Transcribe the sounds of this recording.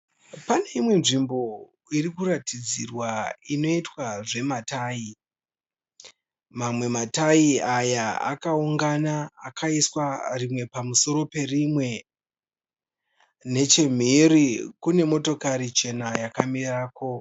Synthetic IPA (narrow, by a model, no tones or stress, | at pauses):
pane̞imwe̞nʐimbo̞ | irikuɾatid͡zirwaino̞itwaʐe̞mataːi | mamwe̞mataiajaa̰kauŋɡanaːkʰaiswarimwe̞pamuso̞ɾo̞pe̞rimwe̞ | ne̞t͡ʃe̞m̤iɾikune̞mo̞to̞kaɾit͡ʃe̞najakamiraːko̞